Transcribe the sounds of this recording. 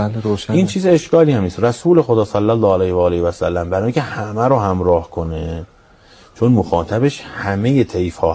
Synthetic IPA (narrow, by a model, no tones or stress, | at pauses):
ɾoʃiːnt͡ʃʰiːzeʃkɒːliːhæmniːst̪ræsuːle̞xod̪ɒːsælːælːɒːælejhvɒːlihvæsælːæmbæɾɒːjiŋːcʰehæmæɾohæmɾɒːhkʰone | t͡ʃʰo̞nmoxɒːt̪ʰæbe̞ʃhæme̞je̞t̪ʰe̞jfhɒː